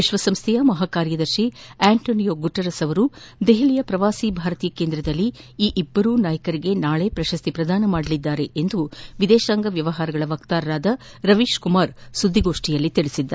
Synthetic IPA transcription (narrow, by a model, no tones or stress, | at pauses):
ʋiʃʋɐsɐmst̪ʰɛjɐmɐɦaːkaːɾjɐd̪ɐɾʃiaːɳʈoːnijoːɡuʈːɐɾɐsɐʋɐɾu | d̪eɦiɭijɐpɾɐʋaːsibʱaːɾɐt̪iːjɐke̞ːnd̪ɾɐd̪ɐlːiiːʔibːɐɾunaːjɐkɐɾiɡe̞naːɭe̞pɾɐʃɐst̪ʰipɾɐd̪aːnɐmaːɽɐlid̪ːaːɾeʔend̪uʋid̪ɛːʃaːŋɡɐʋjɐʋɐɦaːɾɐɡɐɭɐʋɐkt̪aːɾɐɾaːd̪ɐ | ɾɐʋiːʃkumaːɾsud̪ʱːiɡo̞ːʂʈijɐlːit̪iɭisid̪ːɐɾ